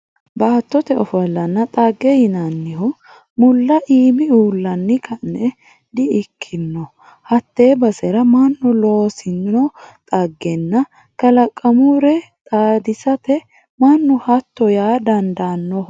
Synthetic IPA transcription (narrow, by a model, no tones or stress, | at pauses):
baːt̪ːɔt̪ɛɔfɔlːɐnːɐt̪ʼaɡːɛjɪnɐnːɪɦɔ | mʊlːɐʔiːmɪuːlːɐnːɪkʰɐnːɛ | d̪ɪɪkʰːɪnːɔ | hɐt̪ːe̞ːbɐsɛɾɐmɐnːɔloːsɪnɔt̪ʼɐɡːɛnːɐ | kɐlɐkʼːɐmuɾɛt̪ʼaːd̪ɪsɐt̪ɛ | mɐnːɔhɐt̪ːɔjaːd̪ɐnd̪anːɔ